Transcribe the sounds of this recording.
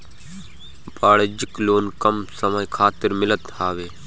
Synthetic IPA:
baːɽed͡ʒɪkloːnkɐmsəməjkʰaːt̪ɪɾmɪlət̪haːʋeː

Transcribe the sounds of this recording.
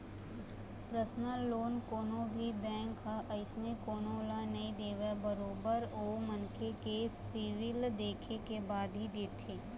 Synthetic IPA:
pɾəsnəloːnkoːnõbʱibɛ̃ːŋkːaʔɐɪsnekoːnõlanɐĩd̪eːʋebəɾoːbəɾoːmɐnkʰekesɪʋɪld̪eːkʰekebaːd̪ɦid̪eːt̪ʰeː

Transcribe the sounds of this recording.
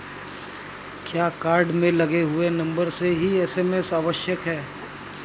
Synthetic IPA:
kjaːkaːɾɖmẽlɐɡeɦʊenɐ̃mbəɾseɦiɛːseːmesaːʋəʃjəkɦɛː

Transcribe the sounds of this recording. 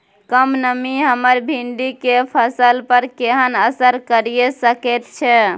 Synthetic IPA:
kəmnəmiɦəməɾbʱinɖ̪ikepʰəsəlpəɾkeɦənəsəɾkəɾijesəkɛt̪t͡ʃʰɛ

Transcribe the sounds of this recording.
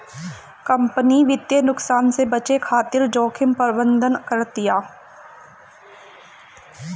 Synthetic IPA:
kɐ̃mpəniʋɪt̪jənʊksaːnsebɐt͡ʃekʰaːt̪ɪɾd͡ʒɔːkʰɪmpəɾbə̃nd̪ənkəɾt̪ijaː

